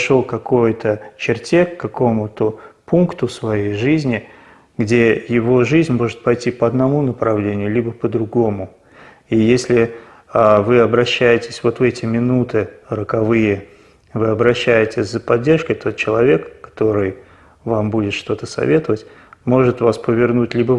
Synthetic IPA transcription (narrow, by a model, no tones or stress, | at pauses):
ʂolˠkɐko̞jt̪ət͡ɕɪrtʲekːɐko̞mʊt̪əpunkt̪ʊsvɐjejʐɨzʲnʲɪ | ɡdʲe̞jɪvo̞ʐɨzʲnʲmo̞ʐɨt̪̚pɐjtʲipəɐd̪nɐmunəpɾɐvlʲenʲɪjʊlʲibəpəd̪ɾʊɡo̞mʊ | ijesʲlʲɪ | avɨɐbɾɐɕːæjɪtʲɪ̥sʲvo̞t̪vɛtʲɪmʲɪnut̪ɨɾəkɐvɨjə | vɨɐbɾɐɕːæjɪtʲɪzəpɐdʲːe̞rʂkəjt̪o̞t̪̚t͡ɕɪlˠɐvʲe̞kːɐ̥t̪o̞ɾɨj | vambudʲɪt̪ʂt̪o̞t̪əsɐ̰vʲe̞t̪əvətʲ | mo̞ʐɨt̪vaspəvʲɪrnutʲlʲibə